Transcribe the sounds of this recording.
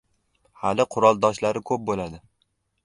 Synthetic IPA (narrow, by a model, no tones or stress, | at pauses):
halɪqʰʊɾɒlˠd̪ɒʃlaɾɪkʰɵp̚bolad̪ɪ